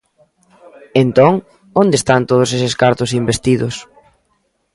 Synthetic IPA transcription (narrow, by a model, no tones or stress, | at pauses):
ent̪oŋ | ond̪est̪ant̪oð̞ʊseseskaɾt̪ʊsimbest̪iðʊs